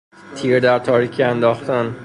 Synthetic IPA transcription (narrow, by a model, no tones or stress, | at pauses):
t̪ʰiːɾd̪æɾt̪ʰɒːɾiːkʰiænd̪ɒːxt̪æn